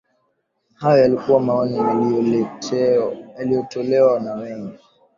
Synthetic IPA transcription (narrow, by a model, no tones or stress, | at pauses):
hajɔjalikuwamaɔnijaliɔlɛ | jalijɔtɔlɛwanawɛŋɡɛ